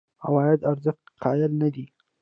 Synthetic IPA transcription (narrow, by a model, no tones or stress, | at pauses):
awɑjad̪aɾzəxt̪qʰɑjɪlnad̪i